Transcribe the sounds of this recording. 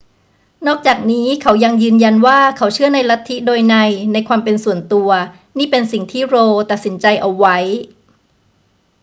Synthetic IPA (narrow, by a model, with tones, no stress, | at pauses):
nɔː˥˩k̚t͡ɕaː˨˩k̚niː˦˥kʰa˩˦wja˧ŋjɯː˧nja˧nwaː˥˩kʰa˩˦˥wt͡ɕʰɯ˥˩ɐna˧jla˦˥t̪ʰːi˦˥doː˧jna˧jna˧jkʰwaː˧mpe˧nsu˨˩˦ənt̪u˧ɐ | niː˥˩pe˧nsi˨˩ŋt̪ʰiː˥˩ɾoː˧t̪a˨˩t̪̚si˩˦nt͡ɕa˧jʔa˧wːa˦˥j